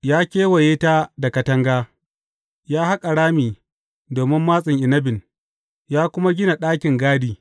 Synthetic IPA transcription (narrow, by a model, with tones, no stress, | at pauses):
jaː˦kʲeː˦wɐ˨jeː˦ta˦da˨kɐ˨tɐ˦ŋɡaː˦ | jaː˦ha˦kʼa˨ɽaː˦miː˨ | doː˨mɪ˦mːaː˦sʼɪ˨ŋʔɪ˨nɐ˦bɪ˨n | jaː˦kʷʊ˦ma˦ɡʲɪ˦na˨ɗaː˦kʲɪ˨ŋɡaː˦diː˨